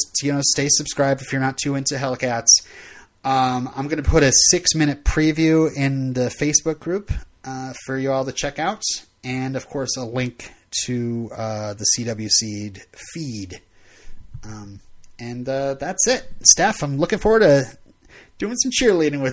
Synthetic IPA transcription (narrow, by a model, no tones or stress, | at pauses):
stjɨnoʊsteɪsɨb̥skɹaɪb̚dɨfjə˞nətʰʉɪ̃ntʉɦɛlˠkʰæts | ʌ̃mã̰ɪ̃mɡʌnɨpʰʊɾɨsɪksmɪ̃ñɨt̚pʰɹ̥ivjʉɪ̃nðɨfeɪsb̥ʊk̚ɡ̥ɹʉpʌfə˞jɨɔlˠðɨt͡ʃʰɛkaʊt | ɨ̃nʌv̥kʰɔɹsəlɪ̃ŋktʰɨʌðɨsiɾʌbl̩ˠjʉsidfid | ʌ̃ɨ̃nʌðætsɪt̚stæfãɪ̃mlʊkɪ̃ŋfɔɹwə˞ɾ̚tɨ | d̥ʉɪ̃ŋsʌ̃m̩t͡ʃʰɪɹliɾɪ̃ŋwɨ